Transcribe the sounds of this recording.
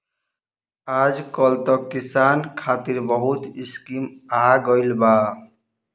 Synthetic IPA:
ad͡ʒkʌlt̪ʌkisankʰat̪iɾbʌɦut̪iskimaɡʌjlba

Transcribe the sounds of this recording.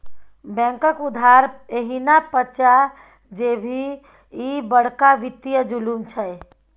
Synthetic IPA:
bɛ̃ŋkəkud̪ʱaɾeɦinapət͡ʃa | d͡ʒebʱi | ibəɽ̤kaʋit̪ːijəd͡ʒulumt͡ʃʰəe

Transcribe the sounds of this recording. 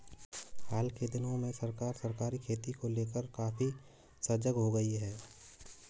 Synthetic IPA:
haːlked̪ɪnõmẽsɐɾkaːɾsɐɾkaːɾikʰeːt̪ikoleːkəɾkaːfi | səɾd͡ʒəɡɦoɡɐiɦɛː

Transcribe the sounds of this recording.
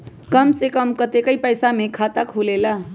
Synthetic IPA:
kəmsekəmkət̪ekəipəjsamekʰat̪akʰulela

